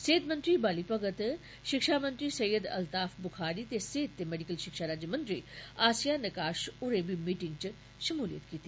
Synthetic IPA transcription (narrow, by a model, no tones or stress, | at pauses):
seːt̪mɐ̃nt̪ɾibaːlipɐɡət̪ | ʃɪkʃaːmɐ̃nt̪ɾisɐjəd̪ɐ̰lt̪aːfbʊxʰaːɾit̪eseːt̪ːemeːɖikəlʃɪkʃaɾaːd͡ʒəmɐ̃nt̪ɾḭːaːsijanɐkaːʃʊɾẽːbimiːʈɪ̃ŋɡt͡ʃ | ʃɐmuːlḭjə̰t̪kiːt̪i